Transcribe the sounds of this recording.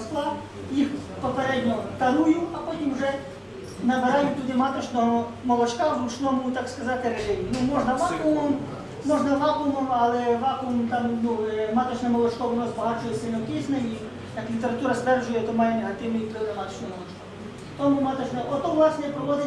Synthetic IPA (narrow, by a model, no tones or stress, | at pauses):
slˠa | jixpɔpeɾɛdʲnʲɔt̪ɐɾujuɐpɔtʲimwʒɛ | nɐbeɾajʊtʲt̪ud̪ɪmat̪ɔt͡ʃnɔɦɔ | mɔlˠɔt͡ʃkazlut͡ʃnɔmʊt̪akskɐzɑt̪ɪɾeʒɪjʲinumɔʒnɐʋakʊmɔm | mɔʒnɐʋakʊmɔmɐlˠɛʋɑkumt̪amnumat̪ɔt͡ʃnɛmɔlˠɔt͡ʃkɔʊnɔzbɐɦɑt͡ʃɔjɛsɪlʲnɔk̪ʲɪsnɛji | jɐklʲit̪eɾɐt̪uɾɐst̪ʋɛrʒʊjɛt̪ɔmajɛneɦɐt̪ɪwnɪjit̪ɾɪnɪmat̪ɔ̥t͡ʃnɔɦmɔlˠɔt͡ʃkɔ | t̪ɔmumat̪ɔt͡ʃnɛɔt̪ɔʋlˠasnɛpɾɔʋɔd̪ɪ